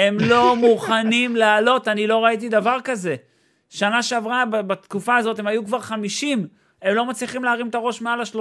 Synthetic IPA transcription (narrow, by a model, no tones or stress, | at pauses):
e̞mlo̞muχanimlaːlo̞tanilo̞ʁaitid̪avaʁkaze̞ | ʃanaʃeavʁababat̪kufaːzo̞te̞majukvaʁχamiʃim | e̞mlo̞mat͡sliχimleaʁimt̪aʁo̞ʃmealaʃlo